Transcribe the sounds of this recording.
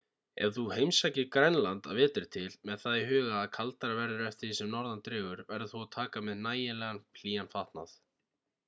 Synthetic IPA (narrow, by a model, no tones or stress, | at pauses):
ɛ̰v̥θuhejmsacɪkɾɛnlant̪avɛːt̪ɪɾ̥t̪ʰɪlmɛðθaðɪɦʏːɣaːðkʰalt̪aɾavɛɾðʏɾɛft̪ɪɾsɛmnɔɾðant̪ɾɪːɣʏɾvɛɾðʏθuat̪ʰaːkamɛðnaːjɪlɛɣanpʰl̥iːanfaht̪na̰θ